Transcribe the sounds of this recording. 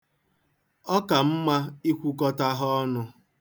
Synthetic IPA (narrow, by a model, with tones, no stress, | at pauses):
ɔ˦ka˨m̩˦ma˦i˦kʷu˦kɔ˦ta˦ɦɔ˦nʊ˦